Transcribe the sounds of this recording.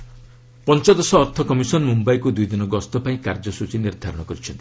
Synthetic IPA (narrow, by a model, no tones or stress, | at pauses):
pɔnt͡ʃɔd̪ɔsɔːɾt̪ʰɔkɔmisɔnmumbajkud̪ujd̪inɔɡɔst̪ɔpaĩkaɾd͡ʒɔsut͡ʃiniɾd̪ʱaɾɔɽ̃ɔkɔɾit͡ʃʰɔnt̪i